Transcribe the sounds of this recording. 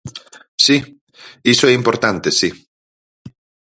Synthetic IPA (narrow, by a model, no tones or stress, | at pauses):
si | isoeĩmpoɾt̪ant̪esi